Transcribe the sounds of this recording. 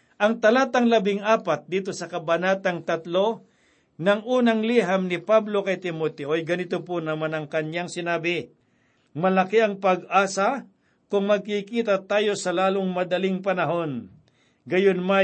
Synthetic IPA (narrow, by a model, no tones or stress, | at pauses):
ʔɐŋt̪ɐlaːt̪ɐŋlɐbɪŋʔaːpat̪̚d̪iːt̪o̞sɐkɐbɐnaːt̪ɐŋt̪ɐt̪lo̞ | nɐŋʔuːnɐŋliːɦamnɪpablo̞kɐjt̪ɪmot̪ɛʔojɡɐnɪt̪opʊnɐmanɐŋkɐnjaŋsɪnaːbɪ | mɐlɐkiɐŋpɐɡʔaːsa | kʊŋmɐɡ̚kikiːt̪at̪aːjo̞sɐlaːloŋmɐd̪ɐlɪŋpɐnɐɦo̞n | ɡɐjonma